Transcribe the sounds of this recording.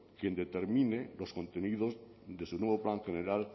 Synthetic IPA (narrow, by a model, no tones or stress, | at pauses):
kjend̪et̪e̞ɾmĩnelo̞sko̞nt̪e̞niðoz | ðe̞sunweβ̞oplaŋxeneɾal